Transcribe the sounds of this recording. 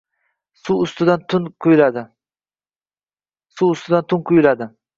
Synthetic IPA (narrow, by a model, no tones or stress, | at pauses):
suʊst̪ɪd̪ant̪ʰʊnqʰʊjlad̪ɪ | suʊst̪ʊd̪ant̪ʰʊnqʰʊjlad̪ɪ